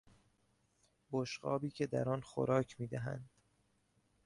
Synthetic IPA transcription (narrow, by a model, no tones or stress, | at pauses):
boʃɢɒ̰ːbiːkcʰe̞d̪æɾɒːnxo̰ɾɒːcʰmiːd̪æɦæ̰nd̪̥